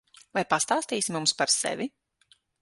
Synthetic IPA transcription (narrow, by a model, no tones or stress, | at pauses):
vajpast̪aːst̪iːsimumspaɾsɛ̰vʲi